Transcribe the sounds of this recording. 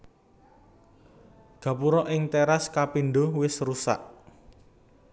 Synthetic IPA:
ɡ̥ä̤puɾɔʔɪŋt̪eɾaskapinɖowɪsrusa̰ʔ

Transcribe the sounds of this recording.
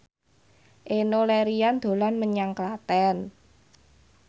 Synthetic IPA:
ʔenolɛɾijand̪̥o̤lanməɲaŋklat̪ɛn

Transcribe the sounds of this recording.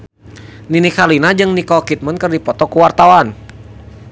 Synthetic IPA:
ninikalinad͡ʒɨŋnikɔkit̪̚mənkərdipɔt̪ɔkuwart̪awan

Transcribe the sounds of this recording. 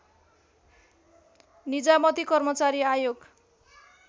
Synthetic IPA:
nid͡zamʌt̪ikʌrmʌt͡saɾiajoɡ

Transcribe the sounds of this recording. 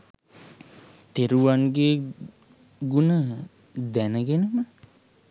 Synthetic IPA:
t̪eɾuʋaŋɡeː | ɡunə | d̪ænəɡenəmə

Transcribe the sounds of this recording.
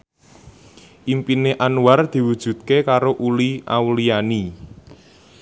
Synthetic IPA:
ʔimpineʔanward̪̥i̤wud̥ʒ̥ṳd̪̚kekaɾoʔulia̰wliani

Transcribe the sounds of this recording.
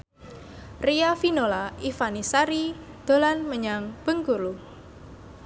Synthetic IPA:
riafinolaifanisaɾi | d̪̥o̤lanməɲaŋb̥əŋkulu

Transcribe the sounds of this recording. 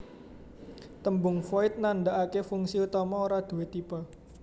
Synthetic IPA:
t̪əmbʊŋfoɪt̪̚nand̪aʔakefuŋsiut̪ɔmɔoɾad̪̥ṳwet̪iba

